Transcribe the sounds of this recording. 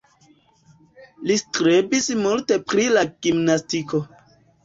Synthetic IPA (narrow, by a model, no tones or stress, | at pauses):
liskɾebismulte̞pɾilaɡ̥imnastikʰo̞